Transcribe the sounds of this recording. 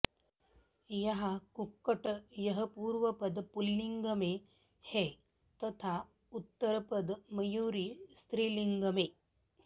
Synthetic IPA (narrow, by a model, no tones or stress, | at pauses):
jɐɦakukːəʈəjɐɦəpuːɾʋəpəd̪pulːiŋɡɐme | he | t̪ɐt̪ʰa | ut̪ːəɾpəd̪mɐjuːɾiːst̪ɾiːliŋɡɐme